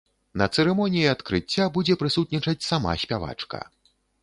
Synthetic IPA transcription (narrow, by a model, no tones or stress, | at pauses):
nɐt̪sɛɾɛmɔnʲijiat̪kɾɨt͡sʲːabud͡zʲɛpɾɨsut̪̚nʲit͡ʂɐt͡sʲsama̰sʲpʲava̰t͡ʂkɐ̰